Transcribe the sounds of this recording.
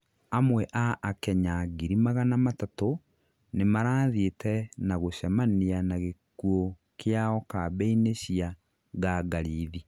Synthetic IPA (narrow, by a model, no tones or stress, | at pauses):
amwɛʔaʔːkɛɲaɡiɾimaɣanamatato | nemaɾaːðietɛnaɣoɕamanianaɣekwo | kejaɔkabɛineɕia | ɡaɡaɾiːði